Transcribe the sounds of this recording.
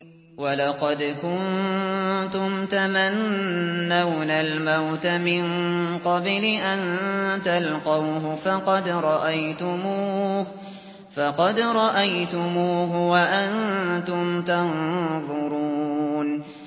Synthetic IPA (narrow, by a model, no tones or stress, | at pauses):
walɑqɑd̪kʊn | t̪ʊmt̪amanː | awnalmawt̪amɪnqɑblɪʔant̪alqɑwhʊfɑqɑd̪ɾˤɑʔajt̪ʊmuːuː | fɑqɑd̪ɾˤɑʔajt̪ʊmuːɦʊwaʔant̪ʊmt̪anðˤʊɾuːn